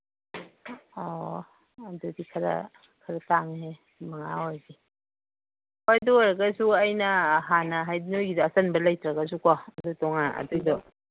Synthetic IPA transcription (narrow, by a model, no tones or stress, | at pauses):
ɔ | ɐdudikʰɐɾɐ̰ | kʰɐɾɐtaŋɦe | mɐŋaojdi | pajdojɾɐɡɐsuɐjnɐːɦanɐɦajdinojɡidɔɐsɐnbɐlɐjtɾɐɡɐs̬ukɔɐdutɔŋanɐ̰dujdɔ